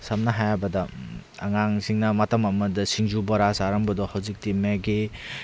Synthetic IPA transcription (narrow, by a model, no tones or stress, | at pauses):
sɐmnɐɦajbɐdɐ̰ː | ŋaŋsiŋnɐmɐtɐmɐmɐdɐsiŋzubɐɾasaɾɐŋbɐdɔhawzik̚timeɡe